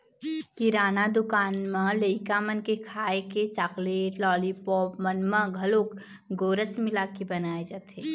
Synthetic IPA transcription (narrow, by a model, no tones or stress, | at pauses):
kiɾaːnad̪ʊkaːnmaləɪkamənkekʰaːeket͡ʃakleːʈlɔːlipɔːpmənmə̃ɡʱɐloːk | ɡoːɾəsmɪlakibɐnaːed͡ʒaːt̪eː